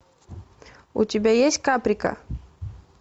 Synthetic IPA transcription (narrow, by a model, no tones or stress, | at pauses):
ṵtʲibʲejesʲkapɾika̰